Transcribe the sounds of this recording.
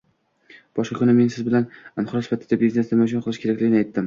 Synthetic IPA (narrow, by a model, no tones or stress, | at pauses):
b̥ɒʃqɑkʰʲʊnɪme̞nsɪzbɪlananχʊɾɒsɪ̥fat̪ʰːɪd̪abizne̞snɪmaʃʊnqʰɨlˠɪʃkʲeakʲlɪɡʲɪnɪajt̪ʰːɪm